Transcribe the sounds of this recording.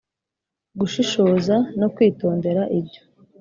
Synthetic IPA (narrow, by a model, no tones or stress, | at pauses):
ɡuʃiʃoːzano̞kwiːto̞ːnde̞ɾaʔibɟo̥